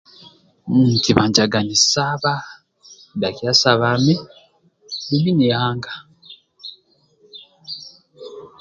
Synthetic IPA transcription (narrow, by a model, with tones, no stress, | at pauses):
ki˨βa˨ɲɟa˨ɡa˨ni˨sa˦βa˦ | da˨kja˦sa˨βa˨me˦ | li˦βi˦ne˨haː˦ŋɡḁ˨